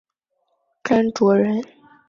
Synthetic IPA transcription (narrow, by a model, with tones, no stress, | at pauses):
ka˥nʈ͡ʂwɔ˧˥ɻə˧˥n